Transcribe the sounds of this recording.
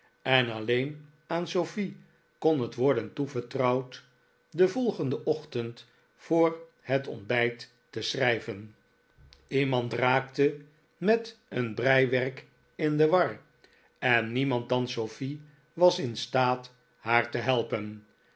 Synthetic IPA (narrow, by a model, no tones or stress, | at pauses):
ɛnɑlejn | aːnsofi | konɦətʋɔɹdəntuvəɹtrɑwt | dəvɔlˠχəndəʔɔχtənt | fʊːɹ | hətɔ̰nbɛjtː | əsrɛjvən | imɑntraːktə | mɛtənbrɛjʋɛɹk | ɪndəʋɑr | ɛnːimɑnt̚dɑnsofi | ʋɑsɪnstaːt | haːɹtəɦɛlˠpən